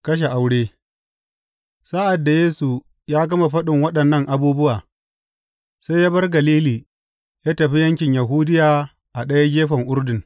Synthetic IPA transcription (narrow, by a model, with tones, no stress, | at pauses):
kɐ˦ʃ̬e˨ʔa˨wɽeː˦ | sa˦ʔa˨dːa˨jeː˦su˨ | jaː˦ɡɐ˦ma˨ɸɐ˦ɗɪ˨ŋwɐ˦ɗɐ˨nːɐ˦ŋʔa˨buː˦bʊ˦waː˨ | sa˦jaː˦bɐ˦rɡɐ˨liː˦liː˨ | jaː˦tɐ˨ɸi˦jɐ˦ŋkʲɪ˨ɲja˨ɦuː˦dɪ˦jaː˨ | ʔa˨ɗɐ˦ja˦ɡʲeː˦ɸɐ˨ŋʔʊ˦rdɪ˨ŋ